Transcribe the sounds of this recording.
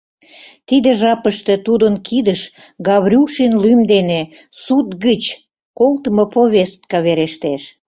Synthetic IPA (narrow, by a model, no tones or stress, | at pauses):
t̪id̪eʒɑpəʃt̪et̪ud̪ənkʰid̪əʃ | ɡɑβɾʲuʃinlymd̪ene | sut̪ɣət͡ɕ | kolt̪əmopoβʲest̪̚kɑβeɾeʃt̪eʃ